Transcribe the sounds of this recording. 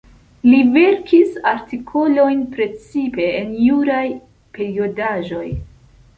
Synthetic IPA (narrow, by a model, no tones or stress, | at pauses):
live̞ɾkʰisaɾtikʰo̞lo̞jnpɾe̞t͡sipe̞ːnjuɾaj | pe̞ɾiodaʒo̞j